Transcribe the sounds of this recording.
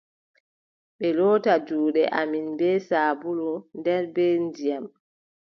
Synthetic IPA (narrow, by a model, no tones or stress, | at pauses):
ɓɛlɔːtad͡ʒuːɗɛ̰ʔaminbɛːsaːbulundɛɾbɛndijam